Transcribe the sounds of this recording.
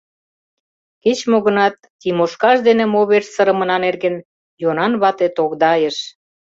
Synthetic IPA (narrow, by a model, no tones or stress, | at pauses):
ket͡ɕmoɣə̆nɑt̪ːimoʃkɑʃd̪enĕmoβeʃsəɾə̆mə̆nɑnerɣə̆n | jonɑnβɑt̪et̪okd̪ɑjəʃ